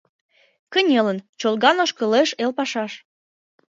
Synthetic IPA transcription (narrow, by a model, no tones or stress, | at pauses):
kənʲelənt͡ɕolɣɑnoʃkə̆leʃelpɑʃɑʃ